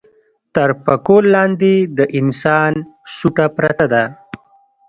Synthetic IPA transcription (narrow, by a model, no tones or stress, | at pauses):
t̪aɾpakolːɑːnd̪ed̪əʔɪnsɑːnsuʈapɾat̪ad̪a